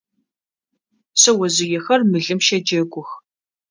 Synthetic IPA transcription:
sɐwɐzɪjɛxɐrmɨɮɨmʃɐd͡ʒɐɡʷʊx

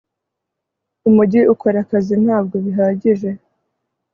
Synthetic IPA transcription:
umuɟiʔukʰoɾakazin̥haːb̚ɡo̞βiɦaːɟiʒe̞

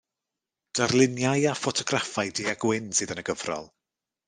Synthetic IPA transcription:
d̥arlˠɪnjajafɔtʰɔɡrafajdiːaɡ̥wɪnsɨːðənəɡəvrɔ̰lˠ

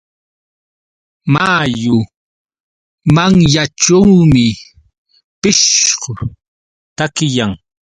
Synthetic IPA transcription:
maːjʊ | maŋjaʈ͡ʂawmɪ | pɪʃɢʊ | t̪akɪjaŋ

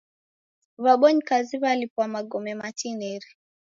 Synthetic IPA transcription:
βaɓɔɲikaziβalipwamaɡɔmɛmatinɛɾi

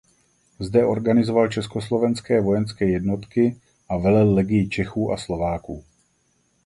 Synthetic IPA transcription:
zdɛo̞ɾɡanɪzovalt͡ʃɛskoslo̞vɛnskɛːvo̞jɛnskɛːjɛdnot̪kɪ | ʔavɛlɛlːɛɡɪjɪt͡ʃɛxuːʔa̰slo̞vaːkuː

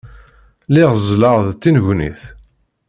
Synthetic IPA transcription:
liʁzləʁðt̪ːinʝnḭθ

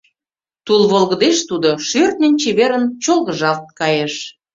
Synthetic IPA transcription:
t̪ulβolɣə̆d̪eʃt̪ud̪oʃørt̪̚nʲent͡ɕeβeɾənt͡ɕolˠɣə̆ʒɑlt̪̚kɑjeʃ

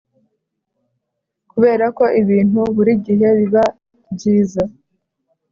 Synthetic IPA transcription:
kuβe̞ːɾako̞ʔiβiːn̥huβuɾiɟiɦe̞βiβa | bɟiːza

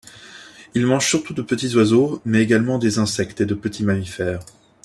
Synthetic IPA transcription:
ilmɑ̃ʒsyʁt̪ud̪əpət̪izwazomɛeɡalmɑ̃d̪ezɛ̃sɛkt̪ed̪əpət̪ʰimamifɛːʁ

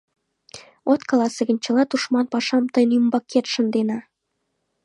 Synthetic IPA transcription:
ot̪kɑlɑsĕɣə̆nt͡ɕə̆lɑt̪uʃmɑnpɑʃɑmt̪ɤjnymbɑkʰːet̪ʃə̆nd̪enɑ

